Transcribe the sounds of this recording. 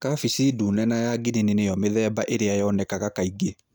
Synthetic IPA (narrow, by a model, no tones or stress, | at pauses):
kafisidunɛnajaɡinenenejɔmeðɛːbaʔeɾeajɔnɛkaɣakaiɡe